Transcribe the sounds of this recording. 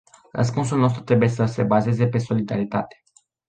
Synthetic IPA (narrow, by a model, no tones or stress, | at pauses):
rə̰s̬puns̬ulnost̪ɾut̪ɾe̞buje̞səse̞baze̞ze̞pe̞so̞lid̪aɾit̪at̪e̥